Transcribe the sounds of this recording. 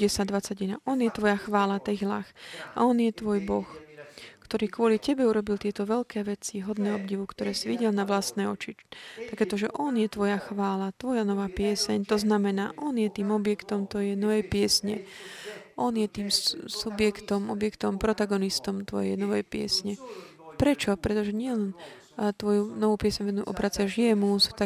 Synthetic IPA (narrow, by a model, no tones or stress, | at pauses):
ɟɛsad̪ʋat͡saɟina̰ʔɔnjɛt̪ʋɔjaxʋaːlat̪ɛɣla̰xa̰ɔnjɛt̪ʋɔjbɔxkt̪ɔɾiːkʊɔlicɛbɛuɾɔbilt̪ɪɛt̪ɔʋɛlkɛːʋɛt͡siɦɔd̪nɛːɔbɟiʋukt̪ɔɾɛːsiʋiɟɛlnaʋlast̪nɛːɔt͡ʃit̪akɛːt̪ɔʒɛʔɔnjɛt̪ʋɔjaxʋaːlat̪ʋɔjanɔʋaːpɪɛsɛɲt̪ɔznamɛnaːʔɔnjɛt̪iːmɔbjɛkt̪ɔmt̪ɔjɛjnɔʋɛpɪɛsɲɛ̰ | ʔɔnjɛt̪iːmsubjɛkt̪ɔmɔbjɛkt̪ɔmpɾɔt̪aɡɔnist̪ɔmt̪ʋɔ̰jɛjnɔʋɛjpɪɛ̰sɲɛpɾɛt͡ʃɔpɾɛt̪ɔʒɛɲɪɛlɛn | t̪ʋɔjunɔʋuːpɪɛsɲʋɛnuʔɔ̰bɾat͡sɪaʒɪɛmusu̥t̪a